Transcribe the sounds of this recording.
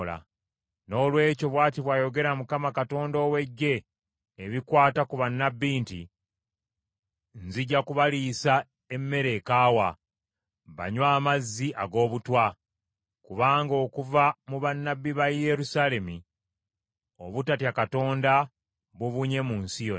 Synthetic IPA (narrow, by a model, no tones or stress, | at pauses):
la̰ | no̞ːlwe̞ːco̞βwaːtiβwaːjo̞ɡe̞ɾamukamakato̞ːndo̞ːwe̞ɟːe̞ː | βikwaːtakuβanːabːiːnti | nziɟːakuβalisa | e̞mːe̞ɾe̞kaːwa | βa̰ɲwaːmazːiʔaɡo̞ːβutwa | kuβaːŋɡo̞ːkuvamuβanːabːiβaje̞ɾusale̞mi | o̞̰βutatjakato̞ːnda | βuβuɲe̞munsijo